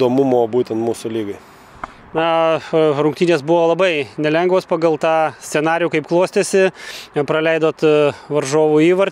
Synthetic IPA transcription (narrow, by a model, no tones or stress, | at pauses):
d̪oːmʊmoːbuːt̪ʲɛnt̪muːsʊlʲiːɡɐɪ | nɐ | rʊŋk̚t̪ʲiːnʲeːsbʊʋoːlˠɐbɐɪnʲɛlʲɛŋɡʋoːspɐɡɐlˠt̪ɑːsʲt̪sʲɛnɑːɾʲɪjuːkɐɪpklˠoːsʲt̪ʲesʲɪpɾɐlʲɛɪd̪oːt̪ʋɐrʒoːʋuiːʋɐɾ